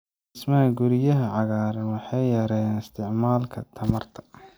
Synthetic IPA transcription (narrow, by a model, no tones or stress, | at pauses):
ɪsmɐɦɐɡʊɾɪjɐɦɐʕɑɣaːɾɛwɑħɑjːɐɾɛnɪst̪ʰɪʕmaːlkʰɐt̪ʰɐmɐrt̪ʰɐ̥